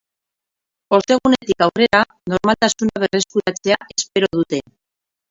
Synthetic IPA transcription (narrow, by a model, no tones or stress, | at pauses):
o̞st̪e̞ɣ̞une̞t̪ikawre̞ɾa | no̞ɾmalt̪asunaβ̞e̞re̞skuɾat͡se̞aʔe̞spe̞ɾo̞ðut̪e̞